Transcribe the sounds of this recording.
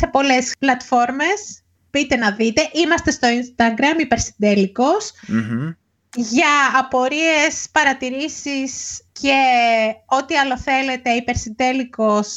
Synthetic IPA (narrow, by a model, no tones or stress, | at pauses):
se̞po̞le̞splɐt̪fo̞ɾme̞s | pit̪e̞nɐðit̪e̞ʔimɐst̪e̞st̪o̞inst̪ɐɡɾɐmipe̞ɾsind̪e̞liko̞s | ʝɐːpo̞ɾie̞spɐɾɐt̪iɾisisce̞ | o̞t̪iɐlo̞θe̞le̞t̪e̞ipe̞ɾsind̪e̞liko̞s